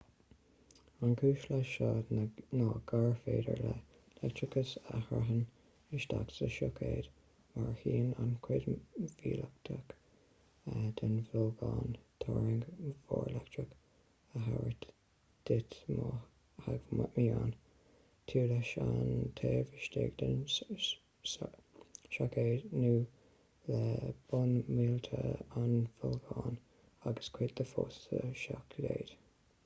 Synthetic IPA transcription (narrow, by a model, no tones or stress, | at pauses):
ankʰuːʃləʃɑːdnɑːɡ̥aɹfeːdə̰˞lə | lɛk̚tɹɪkʰəsahaɦən | ɪʃt̪aksəʃɔkʰeːd̪ | maɹhiːnankʰwɪd̪viːlək̚t̪ʰək | ad̪ɪnvɪlɡɑːnt̪ʰɔːɹɪŋɡvɔːɹlɛktɹək | əɦaɹət | d̪̥ɪt̪mɑ | haɡmamiaːn | t̪ʰiːləʃant̪ʰeːɹvɪʃtɪːɡd̪ən | ʃakeːdnuː | ləb̥ʊnmiːlt̪ʰəanvʊlɡɑːn | aɡəskʰwɪt̪d̪əfosəʃakʰdeːd̥̪